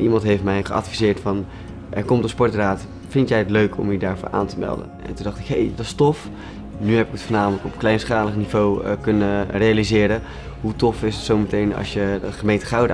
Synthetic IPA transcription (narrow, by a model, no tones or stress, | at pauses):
ʔimɑntɦejftmɛjχəʔɑ̰tfizɪːɹtfɑn | ʔɛ̰ɹkɔmtəspɔɹtraːt | fɪntjɛjətløɥkʰɔ̰mədaːɹvʊ̰ːɹʔa̰ːntəmɛ̰lˠdə̰nɛ̰ntundɑχtɪ̥kɦḛjdɑstɔf | nyɦɛpɪkətfəːnaːmələkɔpklɛjnsχaːləχnivowə̰kɵnərejalizɪːɾən | ɦutɔfɪsətsowmətejnɑ̰sjədəχəmejntəχɑwd